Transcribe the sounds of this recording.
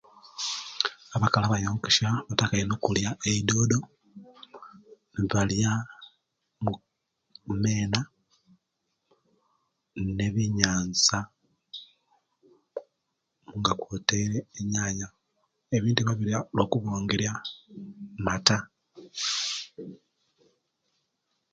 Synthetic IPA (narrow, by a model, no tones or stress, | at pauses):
aβakalaβajamukiʃaβatakajenokuljaʔeido̞ːdo̞ | βalja | mu | me̞ːna | ne̞βiɲaːnza | muŋɡakwoːteiɾe̞ːɲaːɲa | eβiːntuβaβiɾialo̞ːkuβoːŋɡeɾja | mata